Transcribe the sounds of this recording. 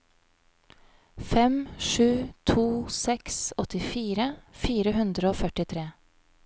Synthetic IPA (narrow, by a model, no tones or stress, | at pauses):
fɛmʃʉːt̪ʰuːsɛksɔt̪ɪfiːɾəfiːɾəhʉnd̪ɾəoːfœʈɪt̪ʰɾeː